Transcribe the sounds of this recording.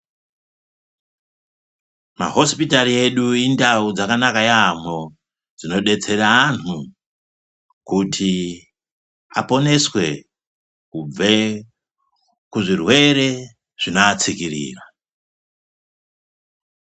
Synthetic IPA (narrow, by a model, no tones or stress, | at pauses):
ma̰ɦo̞spitaɾie̞ɗuindaud͡zakanakajam̤o | d͡zino̞ɗe̞t͡se̞ɾaːnu | kutʰi | a̰po̞ne̞swe̞ | kub͡ve | kuʐirwe̞ɾe | ʐ̥inoːt͡sikirḭːra